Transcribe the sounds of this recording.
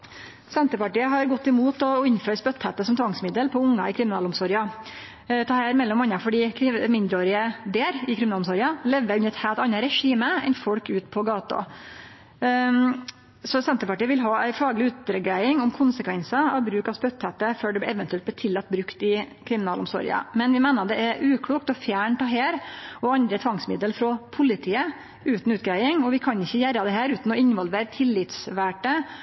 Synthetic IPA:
sɛnt̪əpɑʈiːəɦɑɾɡɔt̪ːɪmuːt̪ɔɪnføːɾəspœt̪ːhɛt̪əsɔmt̪ʰʋɑŋsmɪd̪əlpʰɔʊŋːɑ̰ɪkʰɾɪmɪnɑːlʊmsɔɾɪjɑ | t̪ʰɑːhæːɾmɛlːɔmːɑnːɑfɔɖiːkʰmɪnd̪ɾəoːɾɪəd̪eːɾɪkʰɾɪmɪnɑːlʊmsɔɾɪɑlɛʋːəɾʉnːəɾɛt̪hæːlt̪ɑnːɑɾɛʂiːməɛ̰nfɔɽkʉːt̪pʰɔɡɑːt̪ɑ̰ | sɔsɛnt̪əɾpɑʈiːəʋɪlɦɑːæɪfɑːɡlɪʉt̪̚d̪ɾəɡɾæɪɪŋʊmkʰʊnsəkʰʋɛnsɑɑʋbɾʉːkɑʋstp̪œt̪ʰːɛt̪əføːɖɛblɛʔɛʋənt̪ʉɛlt̪̚b̪lɛt̪ʰɪlːɑt̪̚ːbɾʉkt̪ɪkʰɾɪmɪnɑːlʊmsɔ̰ɾɪ̰ɑ̰mɛnʋɪmæːnəɑd̪ɛʔæɾʔʉːkʰɽuːkt̪ɔfjæːɳt̪ɑɦeːɾɔɑnd̪ɾət̪ʰʋɑŋsmɪd̪əlfɾɔpʰʊlɪt̪ʰiːə | ʉːt̪n̩ʉːt̪̚ɡɾæɪɪŋɔʋɪkʰɑnɪçːəjæɾɑd̪ɛɦæːɾʉːt̪n̩ɔɪnʋɔlʋeːɾt̪ʰɪlːɪt̪sʋæːʈə

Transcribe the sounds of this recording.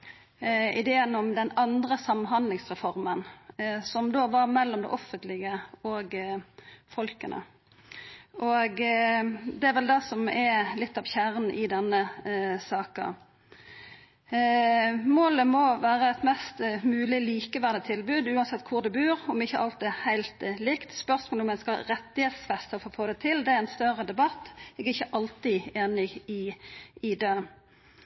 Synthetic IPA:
ɪd̪eːənɔmd̪ɛnɑnd̪ɾəsɑmːnhɑnd̪lɪŋsʁɛfɔʁmənsɔmd̪oːʋɑɾmɛlːɔmd̪ɛ̰ʔɔfːənt̪lɪɡəɔɡ | fɔlkənʔə̰ | ʔɔɡ | d̪ɛæɾʋɛld̪ɛsɔmɛlɪt̪ːɑʋçæɾn̩ʔɪd̪ɛnːəsɑːkə̰ | moːləmɔʋæːɾəɛt̪mɛst̪mʉːlɪliːkəʋæːd̪ət̪ʰɪlbʉːd̪ʉːɑnsɛt̪ːkʰʊɾd̪ɛbʉːɾɔmɪçːəʔɑlt̪̚d̪hæɪlt̪lɪkt̪spœʁsmoːlɔmɛnskəɾɛt̪ːɪheːt̪sfɛst̪əɾfoːfoːd̪ɛt̪ʰɪld̪ɛæɾɛnst̪œrəd̪ɛbɑt̪ːɛɡæɪçːəʔɑlt̪ɪeːnɪɡɪɪd̪eː

